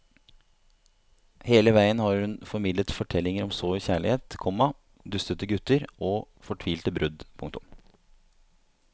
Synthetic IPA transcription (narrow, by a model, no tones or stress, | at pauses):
heːləʋæɪənhɑɾhʉnfɔɾmɪd̪lət̪fɔʈʰɛlːɪŋəɾɔmsoːʏçæːɭɪheːt̪kʰɔmɑ | d̪ʉst̪ət̪əɡʉt̪əɾoː | fɔʈʰʋiːlt̪əbɾʔʉd̪pʰʊ̰ŋkt̪ʊ̰m